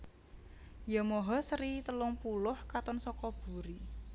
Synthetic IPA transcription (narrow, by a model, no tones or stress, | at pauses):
jɔmɔɦɔsəɾit̪əlʊŋpulʊhkat̪ɔnsɔkɔb̥ṳɾi